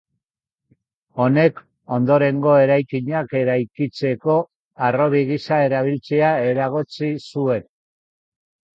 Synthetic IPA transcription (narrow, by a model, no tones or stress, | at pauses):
o̞ne̞k | o̞nd̪o̞ɾe̞ŋɡo̞e̞ɾajkiɲake̞ɾajkit͡se̞ko̞ | aro̞βiɣisae̞ɾaβ̞ilt͡se̞ae̞ɾaɣ̞o̞t͡sisue̞n